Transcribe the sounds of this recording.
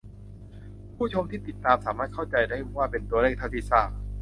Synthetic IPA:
pʰuː˥˩t͡ɕʰo˧mt̪ʰiː˥˩t̪i˨˩t̪ːaː˧msaː˩˦maː˥˩kʰa˥˩w̚t͡ɕa˧jda˥˩jwaː˥˩pe˧nt̪u˧ɐleː˥˩k̚t̪ʰa˥˩t̪ʰiː˥˩saː˥˩k̚

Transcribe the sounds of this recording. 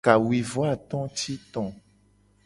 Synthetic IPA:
ka˨wi˨vo˦a˦˨t̪ɔ̃˦ti˦t̪ɔ̃˨

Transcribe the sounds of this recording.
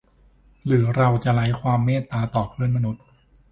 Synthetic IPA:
ɾɯː˩˦ɾa˧wt͡ɕa˨˩ʔla˦˥jkʰwaː˧mːeː˥˩t̪ːaː˧t̪ɔː˨˩pʰɯ˥˩ənma˧nu˦˥t̪̚

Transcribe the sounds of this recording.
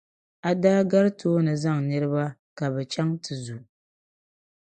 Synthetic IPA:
a˨daː˦ɡa˦ɾɨ˦toː˦nɨ˨za˦˨ŋnɨ˦ɾɨ˦ba˦ | ka˨bɛ˨t͡ʃa˦ŋtɨ˨zu˨

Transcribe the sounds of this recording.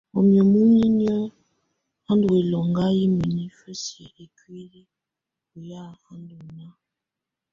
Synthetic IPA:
ɔ˨mjɔ˨mu˦ni˦n˦ɔ˦ | ha˦ndu˨we˨lɔ˨ŋɡa˦ji˦mi˨ni˦fə˦si˨ʔe˨kwi˦ɾi˦ | u˨ja˦˨ha˦ndu˨na˦

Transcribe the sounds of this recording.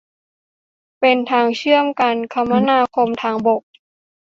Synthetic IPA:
pe˧nt̪ʰaː˧ŋt͡ɕʰɯ˥˩əmka˧nkʰa˧mːa˧naː˧˨kʰo˧mt̪ʰaː˧ŋbo˨˩k̚

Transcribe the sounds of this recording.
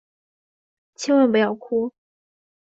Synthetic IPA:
t͡ɕʰi˥nwə˥˩np̬jɑ˥˩ʊkʰu˥

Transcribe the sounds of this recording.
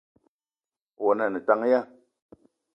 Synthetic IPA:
wɔ˨na˨nɨ˨ta˦ŋ˦ja˦

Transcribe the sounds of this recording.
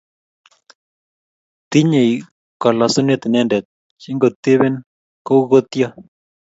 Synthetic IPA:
t̪i˦ɲe˨j | ka˨la˨sʊ˦ne˦t̪nɛ˦ndɛ˨t̪̚ | t͡ʃi˦ŋɡo˨t̪e˦βe˦n | ko˦ɣo˦t̪ja˦

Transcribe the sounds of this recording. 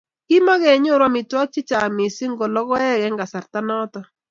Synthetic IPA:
ki˦ma˦ɣɛ˨ɲo˦˨ɾwa˦mɪ˨twa˦k̚t͡ʃɪ˦t͡ʃa˨mɪ˨si˦ŋɡɔ˨lɔ˦ɣɔ˦ɛ˦ɣɛ˨˦ŋɡa˨sa˨ɾta˦nɔ˦tɔ˦

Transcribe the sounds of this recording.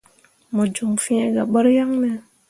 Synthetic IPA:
mo˨d͡ʒu˨ŋfi˦e˦ɡa˨ɓə˦ɾja˦ŋnɛ˨

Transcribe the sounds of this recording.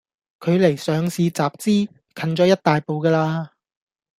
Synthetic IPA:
kʰɵ˨˧ɥle˨˩jsœː˨˧ŋsiː˨˧t͡saː˨p̚t͡siː˥ | kʰɐ˨˧nt͡ʃɔː˨˥jɐ˥t̚t̪aː˨jpo˨wkɐː˧laː˧

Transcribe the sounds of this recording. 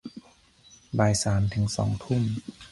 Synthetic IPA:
baː˨˧jsaː˩˦nt̪ʰɯ˩˦ŋsɔ̰ː˩˦ŋt̪ʰu˥˩m

